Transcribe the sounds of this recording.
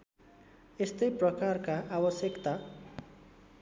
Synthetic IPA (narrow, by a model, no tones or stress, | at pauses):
est̪ʌjprʌkarkaʔabʌsjʌkt̪a